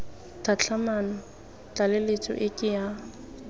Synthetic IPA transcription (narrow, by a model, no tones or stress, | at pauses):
tʰat͡ɬʰamanɔ | t͡ɬʼalɪlet͡sʼɔ̰ʔɪkʼɪja